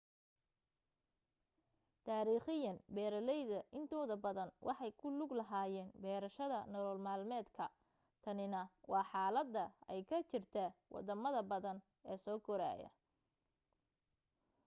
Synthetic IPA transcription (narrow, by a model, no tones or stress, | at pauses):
t̪ʰaːɾiːχɪjɐnbɛːɾɐlɛjðɐʔɪnt̪ʰɔːðɐbɐðɐnwʔɑ̰ħɑjkʰʊlʊɡlɐɦaːjɛːnbɛːɾɐʃɐðɐnɔlɔːlmaːlmɛːd̪kʰɐ | t̪ʰɐnɪnɐwɑːħɑːlɐd̪ːɐɛjkʰɐt͡ʃɪrt̪ʰɐwʔɑ̰d̪ɐmɐðɐbɐðɐn | ɛːsɔːkʰɔɾa̰ːjɐ̰